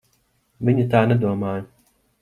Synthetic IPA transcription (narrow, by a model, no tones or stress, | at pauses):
viɲit̪aːned̪uɔmaːj